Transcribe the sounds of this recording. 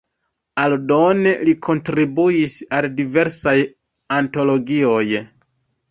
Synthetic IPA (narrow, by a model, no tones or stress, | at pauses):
aldo̞ne̞likʰo̞ntɾibuisaldive̞ɾsaj | anto̞lo̞ɡio̞j